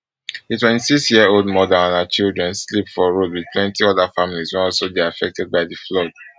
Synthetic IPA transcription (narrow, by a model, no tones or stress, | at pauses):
itwɛ̃nti̥siksjiəolˠdmɔdãnãnat͡ʃildɹɛ̃nslipfɔɹodwið̥̚tʰwɛ̃ntiɔdafamilizwɛ̃nɔlsodiafɛk̚tʰɛd̚baɪdəflɔd̥̚